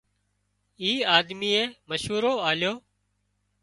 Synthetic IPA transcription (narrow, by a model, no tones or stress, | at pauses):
iːaːd̪miːeːməʃɦuːɾoːaːljoː